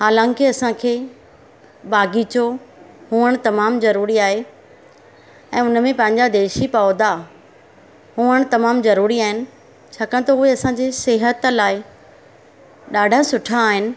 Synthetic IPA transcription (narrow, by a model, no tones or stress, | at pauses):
ɦaːlãːŋkɪɐsãkʰeː | baːɡit͡ɕo | huːəɽ̃t̪ɐmaːmzɐɾuːɾiaːɦe | ɛ̃ːʊnmẽpɐ̃ɦɪ̃ɲd͡ʑad̪eːʃipaoːd̪a | huːəɽ̃t̪ɐmaːmzɐɾuːɾiaːɦɪnɪ̆ | t͡ɕʰaːkəɽ̃t̪ɐʊɦeɐsãːd͡ʑeːseɦət̪laːɪ | ɗaːɖʱasʊʈʰaːɦɪnɪ̆